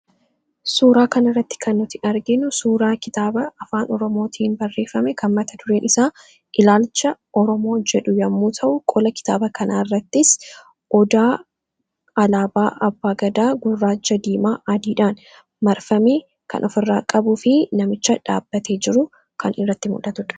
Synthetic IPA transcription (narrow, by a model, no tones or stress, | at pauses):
suːɾaːkɐnɪrːɐt̪ːɪ̥kɐnːɔt̪ɪʔɐɾɡɪnʊsuːɾaːkɪt̪aːbɐɐfaːnɔɾɔmoːt̪ʰiːnbɐrːe̞ːfɐmɛkʰɐnmɐt̪ɐt̪ʊɾeːnʔɪsaː | ʔɪlaːlt͡ʃːɐʔɔɾɔmo̞ːd͡ʒɛᶑʊjɐmːuːt̪ʰɐʔʊkʼɔlɐkɪ̥t̪aːbɐkʰɐnaːɪrːɐt̪ːɪs | ʔɔd̪aː | ɐlaːbaːʔɐbːaːɡɐd̪aːɡʊrːaːt͡ʃːɐd̪iːmaːʔɐd̪iːᶑaːn | mɐɾfɐmeː | kɐ̰nʔɔfɪrːaːkʼɐbʊfɪnɐmɪt͡ʃːɐᶑa̰ːbːɐt̪ʰe̞ːd͡ʒɪɾʊ | kɐnʔɪrːɐt̪ːɪmʊ̰ᶑɐt̪ʊᶑɐ̥